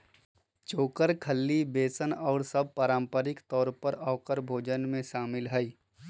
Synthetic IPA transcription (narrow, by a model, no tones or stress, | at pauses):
t͡ʃoːkəɾkʰəlːibeːsənɔːɾsɐb̚paːɾaːmpəɾɪkt̪ɔːɾpəɾəʋkəɾbʱoːd͡ʒənmẽʃaːmɪlɦɛi